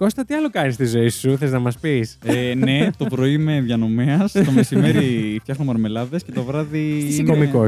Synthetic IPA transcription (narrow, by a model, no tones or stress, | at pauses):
ko̞st̪ɐt̪iɐlo̞kɐnist̪izo̞isuθeznɐmɐspisene̞t̪o̞pɾo̞ime̞ðʝɐno̞meɐst̪o̞mesime̞ɾift̪jɐxnomɐɾme̞lɐðesce̞t̪o̞vɾɐðiinomiko